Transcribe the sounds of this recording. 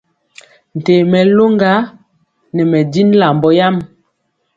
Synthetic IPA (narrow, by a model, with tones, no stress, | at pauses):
n̩˨te˨mɛ˨lo˦ŋɡa˨˦ | nɛ˨mɛ˨di˦n˦la˨mbɔ˦ja˦m